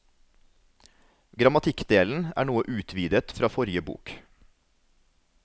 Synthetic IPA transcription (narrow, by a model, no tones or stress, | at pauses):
ɡɾɑmɑt̪ʰɪkd̪eːln̩æ̰ːɳuːəʔʉːt̪ʰʋiːd̪ət̪fɾɑːfɔɾjəbṵːk